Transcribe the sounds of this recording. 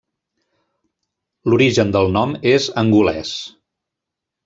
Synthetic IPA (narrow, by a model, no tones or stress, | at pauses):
luɾiʒənd̪əlˠnɔmezəŋɡulɛ̰s